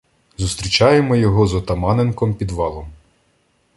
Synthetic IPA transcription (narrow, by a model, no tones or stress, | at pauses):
zust̪ɾʲit͡ʃɑjemɔjɔɦɔzɔt̪ɐmɑnenkɔmpʲid̪ʋɑlˠɔm